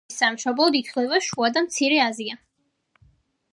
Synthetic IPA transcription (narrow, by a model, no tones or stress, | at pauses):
samʃɔblˠɔd̪it̪ʰvlɛvaʃuad̪amt̪sʰiɾɛazia